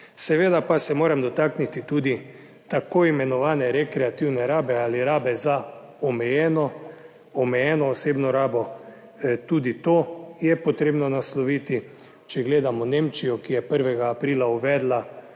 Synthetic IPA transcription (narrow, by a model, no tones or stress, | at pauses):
sɛʋeːd̪apasɛmoːɾɛmd̪ɔt̪aːknit̪it̪uːd̪i | t̪akoːimɛnɔʋaːnɛɾɛkɾɛat̪iwnɛɾaːbɛaːliɾaːbɛza | ɔmɛjɛːnɔ | ɔmɛjɛːnɔːseːbnɔɾaːbɔ | t̪uːd̪it̪oːjɛpɔt̪ɾeːbnɔnaslɔʋiːt̪i | t͡ʃɛɡleːd̪amɔneːmt͡ʃijɔkijɛpəɾʋɛɡaːpɾiːlauʋɛːd̪la